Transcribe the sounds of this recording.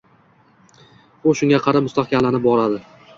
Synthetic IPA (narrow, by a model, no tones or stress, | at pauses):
ʊʃʊŋɡʲaqʰɑɾamʊst̪aχkʲamlanɪp̚bɒɾad̪ɪ